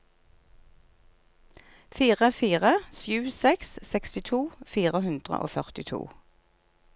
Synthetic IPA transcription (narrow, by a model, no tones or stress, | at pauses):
fiːʁəfiːʁəsjʉːsɛkssɛkst̪ɪt̪ʰuːfiːʁəhʉnd̪ʁə̰ʔo̰ːfœʁt̪ɪt̪ʰṵː